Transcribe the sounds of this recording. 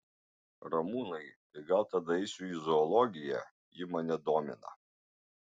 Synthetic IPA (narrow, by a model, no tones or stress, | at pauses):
ɾɐmuːnɐɪt̪ɐɪɡɐlˠt̪ɐd̪ɐɛɪsʲuizɔːlˠɔɡʲɪjɛ̰ | jɪmɐnʲɛd̪oːmʲɪ̰nɐ̰